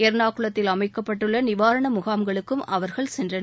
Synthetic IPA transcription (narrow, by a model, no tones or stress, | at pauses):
eɾnaːkɯɭɐt̪ːɪlɐmɐɪkːɐpːɐʈːɯɭːɐnɪʋaːɾɐɳɐmʊɣaːmɡɐɭɯkːɯmʔɐʋɐɾɣɐɭsɛndrɐn